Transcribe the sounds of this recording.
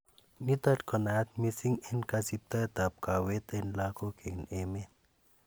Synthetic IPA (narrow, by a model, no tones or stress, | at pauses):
nit̪atkɔnat̪̚misiŋinkasip̚t̪at̪ap̚kawet̪enlakokʰeŋnemen